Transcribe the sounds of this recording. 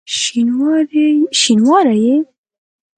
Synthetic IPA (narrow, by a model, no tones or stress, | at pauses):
ʃinwɑɾeʃinwɑɾaje